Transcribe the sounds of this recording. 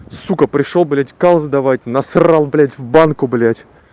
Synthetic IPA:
sukəpɾʲɪʂolˠblʲatʲkalˠzd̪avatʲnɐsralˠblʲætʲvbankʊblʲatʲ

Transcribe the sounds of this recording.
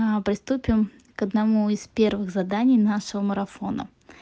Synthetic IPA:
pɾʲɪst̪upʲɪm | kəd̪nɐmuispʲe̞rvɨɣzɐd̪anʲɪjnaʂɨvəməɾɐfo̞nə̰

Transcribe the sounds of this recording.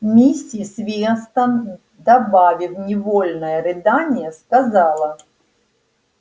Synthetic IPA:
mʲisʲisvʲiɛnst̪ən | d̪ɐbavʲifnʲɪvolʲnəjəɾɨd̪anʲɪjəskɐzɑlˠə

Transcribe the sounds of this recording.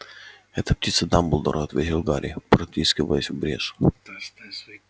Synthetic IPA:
ɛt̪əp̚tʲit̪səd̪ambʊlˠd̪ɔ̰ɾʔoɐt̪vʲetʲɪlˠɡaɾʲɪ̰pɾot̪ʲiskʲɪvə̰lˠəsʲvbɾʲḛsʊ̥

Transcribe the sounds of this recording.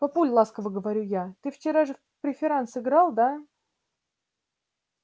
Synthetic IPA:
pɐpulʲlˠaskəvəɡəvɐɾʲujat̪ɨft͡ɕɪɾaʐɨ | pɾʲɪfʲɪɾansɨɡɾalˠd̪a

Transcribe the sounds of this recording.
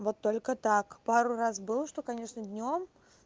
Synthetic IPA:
vo̞t̪ːo̞lʲkət̪akpaɾʊrasbɨlˠʂt̪o̞kɐnʲe̞ʂnəd̪ʲnʲom

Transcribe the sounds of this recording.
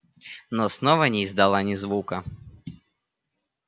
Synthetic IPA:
nɔsnɔvənʲɪːzd̪ɐlˠanʲɪzvukə

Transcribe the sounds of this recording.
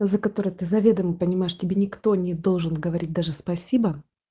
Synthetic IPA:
zəkɐt̪o̞ɾət̪ɨzɐvʲe̞d̪əmɨpənʲɪmajɪʂtʲɪbʲenʲɪkt̪o̞nʲɪd̪o̞lˠʐɨnɡəvɐɾʲit̚ʲd̪aʐɨspɐsʲibə

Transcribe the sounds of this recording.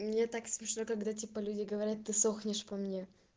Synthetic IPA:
mnʲe̞t̪aksmʲɪʂnokɐɡd̪atʲipəlʲudʲɪɡəvɐɾʲat̪ːɨsoxnʲɪʂpɐmnʲe

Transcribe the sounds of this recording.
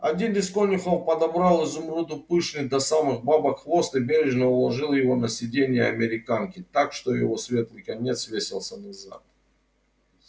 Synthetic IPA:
ɐ̰dʲinɪskonʲɪxofpɐd̪ɐbɾalˠɨzʊmɾud̪ʊpɨʂnɨd̪ɐsamɨxbabɐkxvo̞st̪ɨbʲeɾʲɪʐnəʊlˠɐʐɨlˠjɪvo̞nəsʲɪdʲenʲɪjəɐmʲɪɾʲɪkankʲɪt̪akʂt̪o̞jɪ̰vo̞svʲe̞t̪lˠɨjkɐnʲe̞t̪svʲesʲɪlˠsʲənaza̰t̪̚

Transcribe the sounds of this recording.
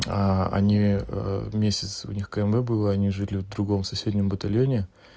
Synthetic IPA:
aɐ̰nʲi | mʲesʲɪt̪sʊ̰nʲixkəɛmbɛbɨlˠəɐnʲiʐɨlʲɪvd̪ɾʊɡo̞msɐsʲedʲnʲɪmbət̪ɐlʲjonʲɪ

